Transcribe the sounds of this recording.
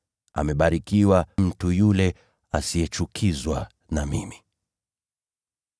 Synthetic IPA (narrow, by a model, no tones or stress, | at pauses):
a̰mɛɓaɾikiwam̩tujulɛ | asijɛt͡ʃukʰizwa | namimi